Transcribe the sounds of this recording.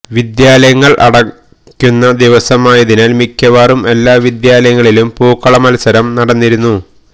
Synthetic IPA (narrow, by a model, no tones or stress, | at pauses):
ʋid̪jaːlɐjɐŋːɐɭʔɐ̰ɽɐ | kʲːunːɐd̪iʋɐsɐmaːjɐðinaːlmikʲːɐʋaːrume̞lːaːʋid̪jaːlɐjɐŋːɐɭilumpuːkːɐɭɐmɐlɐsɐɾɐmnɐɽɐnːiɾunːu